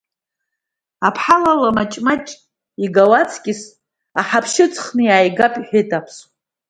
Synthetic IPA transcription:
apʰħalalamat͡ʃʼmat͡ʃʼ | iɡawat͡sʰkʲʼɪs | aħapʰʃɪt͡sʰʼχnɨjaːjɡapʼħʷᶣɪtʼapʰs

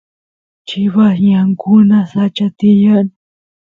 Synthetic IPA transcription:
t͡ʃɪβasɲaŋkʊnasat͡ʃat̪ijan

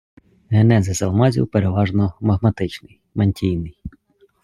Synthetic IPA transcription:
ɦenɛzɐzɐlˠmɑzʲḭwpeɾeʋɑʒnɔmɐɦmɐt̪ɪt͡ʃnɪj | mɐnʲtʲijnɪj

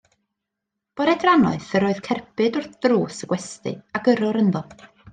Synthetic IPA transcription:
b̥ɔɾɛdranɔɨθəɾoɨðkʰɛrpʰɨdɔrd̥ruːsəɡ̥wɛstɨ̰aɡəɾʊɾənðɔlˠ

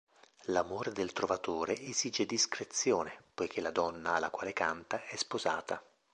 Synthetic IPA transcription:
lamoːɾed̪elt̪ɾovat̪oːɾeʔeziːd͡ʒed̪iskɾet̪sːjoːnepojkʰelad̪ɔnːaːlːa̰kwaːlekant̪aʔɛspoza̰ːt̪a

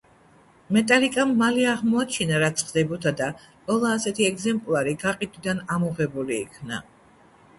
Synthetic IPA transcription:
mɛt̪ʼalikʼamːaliaʁmɔat͡ʃʰinaɾat̪sʰχd̪ɛbɔt̪ʰad̪a | qʼɔlˠaːsɛt̪ʰiɛɡzɛmpʼlˠaɾiɡaqʼid̪ʼwid̪anamɔʁɛbulḭːkʰna̰

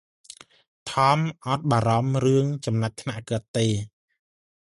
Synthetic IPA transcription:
t̪ʰɑːmʔɑt̪̚ɓaːɾɑmrɨəŋt͡ɕɑmnat̚t̪ʰnaʔkəət̪ːeː

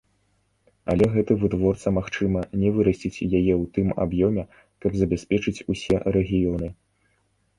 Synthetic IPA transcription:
ɐ̰lʲɛɣɛt̪ɨvɨt̪vɔrt̪sɐmaxt͡ʂɨmɐnʲɛvɨɾɐsʲt͡sʲit͡sʲjajɛwt̪ɨma̰bjɔmʲɛ | kɐbzɐbʲɛspʲɛt͡ʂɨt͡sʲusʲɛɾɛɣʲijɔnɨ

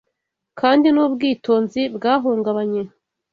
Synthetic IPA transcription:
kaːndinuːbɡiːtoːnzibɡaːɦuːŋɡaβaɲe̞

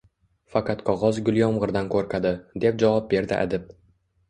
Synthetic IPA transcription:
faqʰɑt̪qʰɒʁɒzɡʲʊlˠjɒmʁɨɾd̪ankʰoɾkʲʰad̪ɪd̪e̞p̚d͡ʒavɒp̚be̞ɾd̪ɪʔa̰d̪ɪp̚

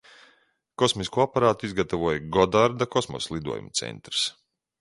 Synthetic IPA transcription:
kɔsmiskuːapaɾaːt̪uizɡat̪avuɔjɡɔd̪aɾd̪akɔsmɔ̰slˠid̪ṵɔjṵmt̪sɛ̰nt̪ɾɨ̥s

